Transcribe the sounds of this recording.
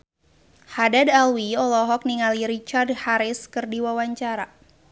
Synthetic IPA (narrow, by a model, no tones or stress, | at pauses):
hadadalwiɔlɔɦɔk̚niŋaliɾit͡ʃard̚haɾɪskɨrdiwawaɲt͡ʃaɾa